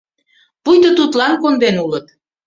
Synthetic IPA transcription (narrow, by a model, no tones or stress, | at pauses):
pujt̪ət̪ut̪lɑnkond̪enulət̪̚